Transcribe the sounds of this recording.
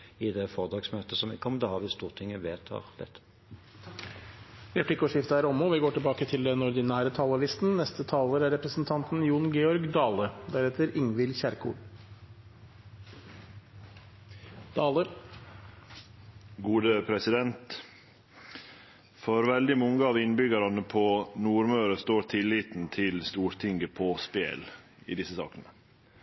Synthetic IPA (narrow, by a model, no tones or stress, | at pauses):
ɪd̪ɛfɔʁd̪ɑːɡsmøːt̪əsɔmɪkːəɔmd̪ɛhɑːʁʋɪst̪uːʁt̪ʰɪŋːəʋeːt̪ʰɑ̰ːʁd̪ɛ̰t̪ʰːə̥ | ɾɛpʰlɪkʊʂɪft̪əæːɾɔmːɔːʋɪɡoːʈɪlbɑːkət̪ʰɪld̪ɛnɔɾd̪ɪnæːɾət̪ʰɑːləlɪst̪nnɛst̪ət̪ʰɑːləɾæɾːɛpɾəsn̩t̪ʰɑnt̪njuːnɡeːɔɾɡd̪ɑːləd̪æɾɛːt̪əɾɪŋʋɪlçæɾkʰṵːl | ə | ɡuːd̪əpʰɾɛsɪd̪ɛnt̪ | fɔɾʋɛld̪ɪmɔŋəɑːʋɪnbʏɡɑɾɑnəpʰɔnuːɾmøːɾəst̪oːɾt̪ʰɪlːiːt̪n̩t̪ʰɪlst̪uːɾt̪ʰɪŋɡəpʰɔspḛːlɪ̰ːd̪ɪsəsɑ̰ːkənə